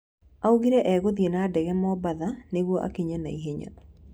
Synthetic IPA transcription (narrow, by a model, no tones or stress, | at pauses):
auɡiɾɛʔɛɡoðijenadɛɡɛmɔbaðaneɡwoʔa̰kiɲanaiɦeɲa̰